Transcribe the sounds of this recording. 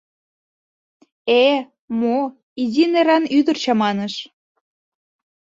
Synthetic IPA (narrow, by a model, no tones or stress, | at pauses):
e | mo | izineɾɑnyd̪ərt͡ɕɑmɑnəʃ